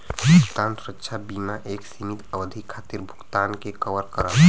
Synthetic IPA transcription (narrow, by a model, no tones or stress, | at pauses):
bʱukt̪ansɾətːʃʰabimaʔeksimit̪əʋəd̪ʱikʰːat̪iɾbʱu̥kt̪ankekəʋəɾkəɾa